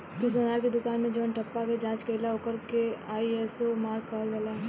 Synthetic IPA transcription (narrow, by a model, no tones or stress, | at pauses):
t̪ʊs̬ɐnaːɾked̪ʊkaːnmẽd͡ʒoːnʈʰɐpːaked͡ʒãːt͡ʃkelaokəɾkeaːiɦɛsomaːɾkːaːld͡ʒɐla